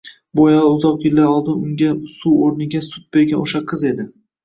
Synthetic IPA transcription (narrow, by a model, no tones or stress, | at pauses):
bɒjalaʊzɒqjɪlːaɾɒlˠd̪ɪnʊŋɡʲasuoɾnɪɡʲasʊt̪̚be̞ɾɡʲanoʃaqʰɨze̞d̪ɪ